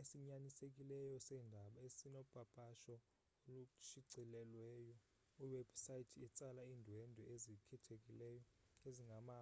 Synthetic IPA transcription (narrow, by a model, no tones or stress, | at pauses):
esiɲanisekʼilɛjɔsɛndʱaɓaesinɔb̥ʱab̥ʱaʃɔ | olut͡ʃiǀilɛlwɛːjɔ | iwɛb̥sajitʰɛt͡sʼalaiːndʱwɛndʱɔezikʰɛtʰekʼilɛjɔ | eziŋɡʱamaː